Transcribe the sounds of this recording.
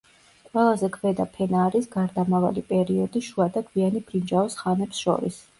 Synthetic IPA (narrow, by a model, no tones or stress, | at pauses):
qʼwɛlˠazɛkʰvɛd̪apʰɛnaːɾisɡaɾd̪amava̰lipʼɛɾiɔd̪iʃuad̪akʰvianib̥ɾind͡ʒaɔsχanɛpsʃɔ̰ɾḭs